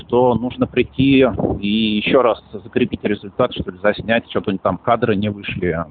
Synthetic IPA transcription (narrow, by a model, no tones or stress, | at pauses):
ʂt̪onuʐnəpɾʲɪtʲːiijɪɕːoɾaszəkɾʲɪpʲitʲɾʲɪzʊlʲt̪at̪ʂt̪olʲɪzɐsʲnʲætʲt͡ɕot̪onʲt̪amkad̪ɾɨnʲɪvɨʂlʲɪ